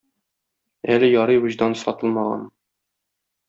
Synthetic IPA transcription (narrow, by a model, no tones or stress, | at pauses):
ælɘjɒɾɤjwuʑd̪ɑnsɒt̪ɤlˠmɑʁɑ̰n